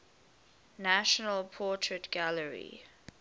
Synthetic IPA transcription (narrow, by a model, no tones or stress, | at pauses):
naʃɔnəlpʰɔtʰɹɛtɡ̥aləɹḭ